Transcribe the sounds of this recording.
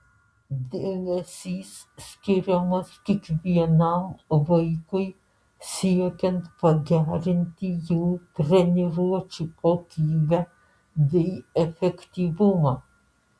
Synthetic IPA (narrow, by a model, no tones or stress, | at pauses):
d̪ɛnɛsis | skiɾɔməskikviɛnamvəjkuj | siɔkɛnt̪paɡaɾint̪ijut̪ɾɛniɾuat͡ʃipɔkivɛ | ðɛiɛfɛkt̪ivuma